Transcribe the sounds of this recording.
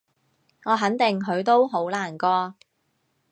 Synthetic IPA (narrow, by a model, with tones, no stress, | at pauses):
ŋɔː˨˧ɦɐ˨˥nt̪ɪ˨ŋɦɵ˨˧ɥt̪̬o˥wɦo˨˥wlaː˨˩nkɔː˧